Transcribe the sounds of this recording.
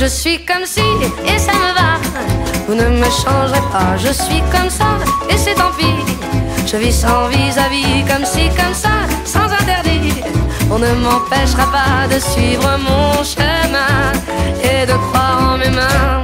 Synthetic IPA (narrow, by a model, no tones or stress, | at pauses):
ʒəsɥikɔmsiesaməva | vunəməʃɑ̃ʒʁepaʒəsɥikɔmsaesɛt̪ɑ̃pi | ʒ̥əvisɑ̃vizavikɔmsikɔmsasɑ̃zɛ̃t̪ɛʁd̪i | ɔ̃nəmɑ̃pɛʃʁapad̪əsɥivʁəmɔ̃ʃəmɛ̃ | ed̪əkχwaʁɑ̃memɛ̃